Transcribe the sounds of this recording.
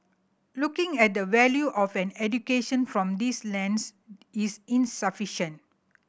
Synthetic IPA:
lukɪ̃ŋɛt̚d̪əʋɛljuʔɔfɛ̃nɛd͡ʒukeʃə̃nfɹɔ̃md̪islɛ̃nsisĩnsəfiʃə̃nt

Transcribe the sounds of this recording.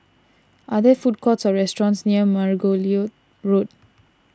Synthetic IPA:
ʔadəfut̚kʰɔtsɔɹɛstɹɔ̃nsniəmaɹɡolio | ɹod̚

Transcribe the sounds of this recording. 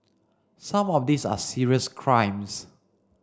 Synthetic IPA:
sãmɔfdisa̰siɹiəskʰɹãj̃ms

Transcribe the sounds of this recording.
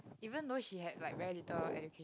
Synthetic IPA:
ivə̃nd̪oʃiɦɛd̚laɪk̚vɛɹilitəlɛ̰d͡ʒukʰe

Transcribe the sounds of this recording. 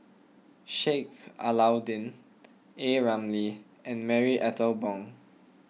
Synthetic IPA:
ʃeka̰lawdĩn | eɹãmli | ɛ̃nmɛɹiʔɛtʰəlbɔ̃ŋ

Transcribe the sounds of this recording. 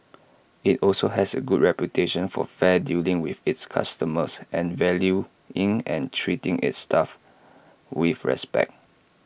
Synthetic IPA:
itɔlsoɦɛsəɡudɹɛpjutʰeʃə̃nfɔ̰fɛdilĩŋwiθitskʰa̰stəməsʔɛ̃nvɛlju | ɪ̃ŋɛ̃ntʰɹitĩŋʔḭtstʰaf | wifɹɛ̰spɛ̰k̚t̚

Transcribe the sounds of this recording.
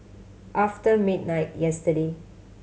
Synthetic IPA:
ʔaftəmid̚naɪt̚jɛstəde

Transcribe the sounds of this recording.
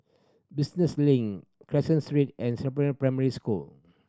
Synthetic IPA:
bisnəslĩŋkʰɹɛsə̃nstɹitʔɛ̃nsɛpɹĩpɹaməɹiskul

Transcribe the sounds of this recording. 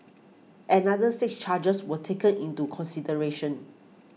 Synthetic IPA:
ʔɛ̃nadəsɪkst͡ʃad͡ʒəswətʰekə̃nĩntukʰɔ̃nsidəɹeʃə̃n

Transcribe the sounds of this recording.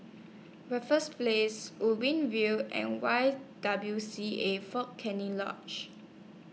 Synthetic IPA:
ɹɛfəsplesubĩnvilɛ̰̃nwaɪd̥abljusiefɔkʰɛ̃nĩŋlɔ̰̃t͡ʃ

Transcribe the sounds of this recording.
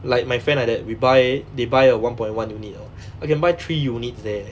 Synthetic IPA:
laɪk̚majfɛ̃nadɛt̚wibajdebajəwãnpɔ̃j̃nwãnjunitɔ | akɛ̃nbajt̪ʰɹijunit̚sdɛ

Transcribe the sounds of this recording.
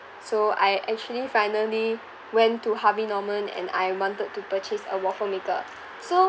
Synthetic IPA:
soa̰jʔɛk̚t͡ʃuəlifajnəli | wɛ̃ntːuhavinɔmə̃nɛ̰̃na̰jwɔ̃ntəd̚tːupət͡ʃesə̰wɔfəmekə̰ | so

